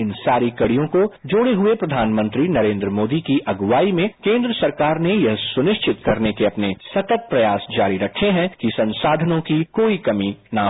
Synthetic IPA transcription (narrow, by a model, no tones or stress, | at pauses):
ɪnsaːɾikɐɽijõkod͡ʒoːɽeɦʊepɾɐd̪ʱaːnmə̃nt̪ɾinɐɾẽːnd̪ɾəmoːd̪ikiʔɐɡʋaːimẽkẽːnd̪ɾəsɐɾkaːɾnejɐɦsʊnɪʃt͡ʃɪt̪kɐɾnekeɐpnesɐt̪ət̪̚pɾɐjaːsd͡ʒaːɾiɾɐkʰeɦɛ̃kisɐ̃nsaːd̪ʱənõkikoːikɐmina